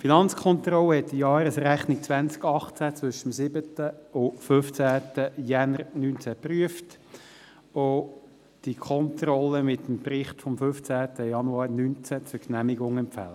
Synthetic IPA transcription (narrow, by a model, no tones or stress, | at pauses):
finɑnt͡skʰɔntrɔlːəhɛtːijɑːɾəsræχnɪk̚t͡sʋænt͡skɑχt͡sæt͡sʋʏʃəmsɪbətəʊføft͡sæːtəjænəɾnyːnt͡sæpryəft | o | d̥ikʰɔntrɔlːəmɪtːəmprɪχtfɔmfʏft͡sæːtəjɑnuɑːɾnynt͡sæt͡sʊknæmɪɡʊŋɛmpfæ̰lə